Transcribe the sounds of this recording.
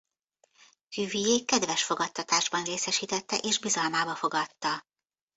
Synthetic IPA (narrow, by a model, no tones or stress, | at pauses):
hyvijeːkːɛd̪vɛʃfo̞ɡɒt̪ːɒt̪aːʒbɒnreːsɛʃiːt̪ɛt̪ːɛ̰ʔeːʒbizɒlmaːbɒfo̞ɡɒt̪ːɒ